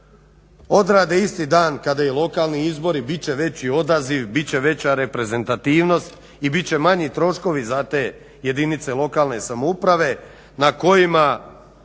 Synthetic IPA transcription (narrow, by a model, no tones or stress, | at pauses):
o̞d̪ɾaːd̪eist̪id̪aːnkad̪ajilˠo̞kaːlˠniizbo̞ɾibit͡ɕe̞ʋe̞t͡ɕio̞d̪aziʋbit͡ɕe̞ʋe̞t͡ɕaɾe̞pɾe̞ze̞nt̪at̪iːʋno̞st̪ | ibitt͡ɕe̞maɲit̪ɾo̞ʃko̞ʋizat̪eː | je̞d̪init̪se̞lˠo̞kaːlˠne̞samoupɾaʋe̞ | nako̞jima